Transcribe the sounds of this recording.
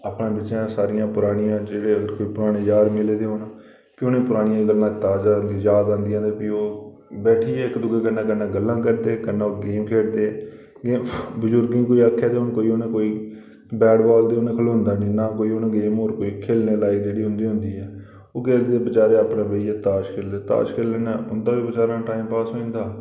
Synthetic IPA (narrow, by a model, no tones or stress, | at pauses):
aːpɳẽːbɪʃãːsaːɾɪjãːpʊɾaːɽɪjãːd͡ʒeːɽeːəɡəɾkoːiːpʊɾaːɽ̃eːjaːd̪mɪleːd̪eːɦoːnaː | piʊnẽːpʊɾaːɽɪjãːɡəlːãːt̪aːzaːnd̪iːjaːd̪ãːnd̪iãːd̪eːpiːoː | bɛːʈʰiːɛːɪkd̪ʊɡeːkənːãːkənːãːɡəlːãːkəɾd̪eːkənːãːoːɡeːmkʰeːɽd̪eː | ɡeːbəzʊɾɡĩːkoːiːaːkʰːaːd̪eːʊnkoːiːonẽːkoːiː | bɛːɽbaːld̪eːʊnẽːkʰəloːnd̪aːnĩːnaːkoːiːonẽɡeːmoːɾkoːiːkʰeːlneːlaːiːd͡ʒeːɽiːɦʊ̃nd̪iːɦʊ̃nd̪iːɛː | oːɡeːld̪eːd̪eːbət͡ʃaːɾeːaːpnẽːbəiːɛːt̪aːʃkʰeːld̪eːt̪a̰ːʃkʰeːlːeːnaːʊnd̪aːʋiːbət͡ʃaːɾãːʈaːimpaːsɦoːĩːnd̪aː